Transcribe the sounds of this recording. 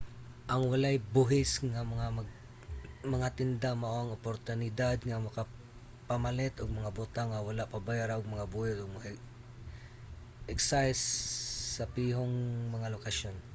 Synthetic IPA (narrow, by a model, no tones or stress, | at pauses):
ʔɐŋwalajbuɦɪsŋamɐŋamaɡ | mɐŋat̪ɪnd̪amaʔoaŋopoɾt̪ʊnɪd̪ad̪ŋamɐka | pamalɛt̪ʊɡ̚mɐŋabʊt̪aŋːawalaʔpabajaːɾaʔʊɡ̚mɐŋabuhɪsʊɡ̚mɐa | ʔɛksajsː | ɐpiɦoŋmɐŋalokaʃon